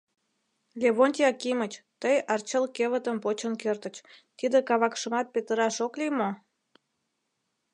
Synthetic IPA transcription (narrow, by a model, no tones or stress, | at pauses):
lʲeβonʲt̪ʲiɑkimət͡ɕt̪əjɑrt͡ɕəlkeβət̪əmpot͡ɕənkørt̪ət͡ɕt̪id̪ekɑβɑkʃəmɑt̪̚pet̪əɾɑʃoklimo